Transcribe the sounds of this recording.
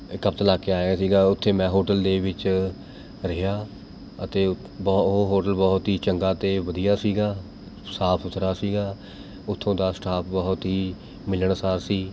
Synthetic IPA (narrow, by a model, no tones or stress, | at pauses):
ɪkːəpt̪əlaːkeːaːaːsiːɡaːʊt̪ʰːeːmɛ̃ːɦoːʈəld̪eːʋɪt͡ʃ | ɾəɦaː | ət̪eː | bɔɦoːʈəlbɔːt̪ɦiːt͡ʃəŋɡaːt̪eːʋəd̪ijaːsiːɡaː | saːpʰsʊt̪ʰɾaːsiːɡaː | ʊt̪ʰːõːd̪aːsʈaːpʰbɔːt̪ɦiː | mɪləɳsaːɾsiː